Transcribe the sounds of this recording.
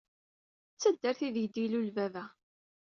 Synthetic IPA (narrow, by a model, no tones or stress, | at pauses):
t͡sːæd̪ːæɾθiðjəd̪ilulvævæ